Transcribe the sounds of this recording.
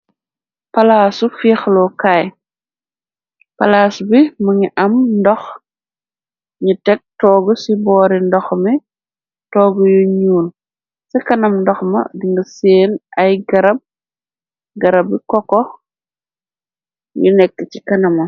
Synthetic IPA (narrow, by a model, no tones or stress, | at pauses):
pɐlaːsufiːxlɔkaj | pɐlaːsbimɐɲiʔɐmndɔx | ɲitɛk̚tɔːɡɔsibɔːɾindɔxmi | tɔːɡɔjoɲuːn | sɛkɐnɐmndɔxmɐ̰diŋɡɐseːnɐjɡɐɾɐb̚ | ɡɐɾɐbikɔkɔ | jṵnɛkːɛt͡ʃikɐnɐmɐ